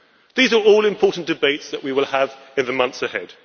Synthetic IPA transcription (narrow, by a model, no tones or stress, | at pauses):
ðiːzəɹɔːlɪ̃mpʰɔˑʔn̩d̥ɪbeɪtsðəʔwiwɪlˠəv | ɪ̃nðəmʌ̃nθsəhɛd̥